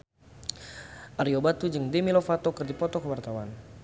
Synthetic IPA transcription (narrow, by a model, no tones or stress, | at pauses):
ʔaɾiobat̪ud͡ʒɨŋdɛmilofat̪okərdipɔt̪ɔkəwart̪awan